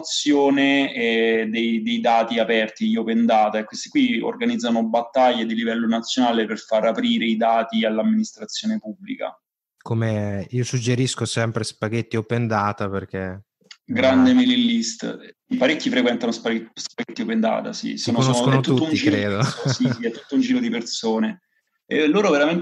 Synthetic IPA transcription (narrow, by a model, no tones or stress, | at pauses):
t̪sːjoːneɛd̪ejd̪ejd̪aːt̪iapɛrt̪ijopend̪aːt̪aekwest̪i̥kwio̰rɡanid̪zːanobat̪ːaʎːed̪ilivɛlːonat̪sːjonaːleperfaɾapɾiːɾeid̪aːt̪ialːamːinist̪ɾat̪sːjoːnepubːlḭka̰ | komeiːosud͡ʒːeɾiskosɛmpɾespaɡet̪ːiopend̪aːt̪aperk̟e | ɡɾand̪emelilːist̪paɾekːifɾekwɛnt̪anospaspaɡet̪ːiopend̪a̰ːt̪a̰sḭsoːnooɛt̪ːuut̪ːounːd͡ʒiɾeːd̪osisiɛt̪ːut̪ːound͡ʒiːɾod̪ipersoːne | elːoːɾoveɾamen